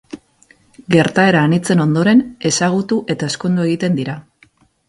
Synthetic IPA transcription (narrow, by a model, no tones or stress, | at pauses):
ɡe̞ɾt̪ae̞ɾaːnit͡se̞no̞nd̪o̞ɾe̞ne̞saɣ̞ut̪uʔe̞t̪ae̞sko̞nd̪ue̞ɣ̞it̪e̞nd̪iɾa